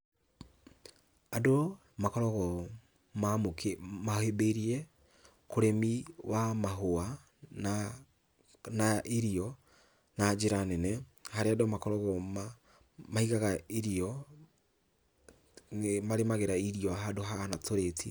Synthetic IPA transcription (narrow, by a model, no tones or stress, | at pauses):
ado | makɔɾɔɣɔ | mamokmahebeɾiɛ | koɾemiwamaɦoa | na | naʔiɾiɔ | nad͡ʒeɾanɛnɛhaɾeadomakɔɾɔɣɔma | maiɣaɣaiɾiɔ | maɾemaɣeɾaiɾiɔɦadoɦaɣanatʰoɾetʰi